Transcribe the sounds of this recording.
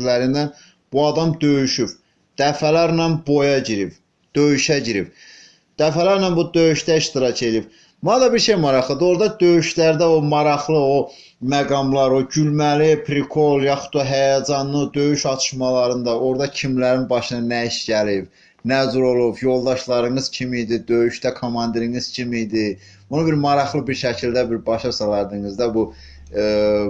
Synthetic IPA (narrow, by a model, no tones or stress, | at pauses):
læɾind̪æn | b̥uɑd̪ɑmd̪øjyʃyb | d̪̥æfælæɾnænbo̞jɑɟiɾib | d̪̥øjyʃæɟiɾib̥ | d̪̥æfælæɾnænbud̪øjyʃd̪æiʃt̪iɾɑcʰe̞lijib | mud̪ɑbiɾʃe̞jmɑɾɑχlˠɯd̪ɯo̞ɾd̪ɑd̪øjyʃlæɾd̪æomɑɾɑχlˠɯo | mæɡɑmlˠɑɾoɟylmælipʰɾikʰo̞lˠjɑχu̥t̪ːoɦæjɑd͡ʒɑnːɯd̪ø̞jyʃɑt̪ʰɯ̥ʃmɑlˠɑɾɯnd̪ɑo̞ɾd̪ɑcʰimlæɾinbɑʃɯnɑnæiʃɟælib | næzuɾo̞lˠubjo̞lˠd̪ɑʃlˠɑɾɯŋɯz̥cʰimijd̪id̪ø̞jyʃd̪ækʰomɑnd̪iɾiŋɯz̥cʰimid̪i | bunubiɾmɑɾɑχlˠɯbiɾʃæcʰild̪æbiɾbɑʃɑsɑlˠɑɾd̪ɯŋɯzd̪æbu